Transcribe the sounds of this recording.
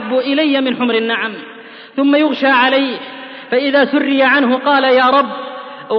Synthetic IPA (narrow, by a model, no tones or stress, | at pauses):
bːʊʔɪlajːamɪnħʊmɾɪnːaʕam | θʊmːajʊɣʃaːʕalajh | faʔɪðaːsʊrːɪjaʕanɦʊqɑːlajaːɾˤɑbː